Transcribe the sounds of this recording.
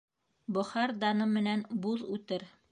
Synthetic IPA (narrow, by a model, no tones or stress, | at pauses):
bŏχɑɾd̪ɑnɤmɘ̆nænbuðʉt̪ɘɾ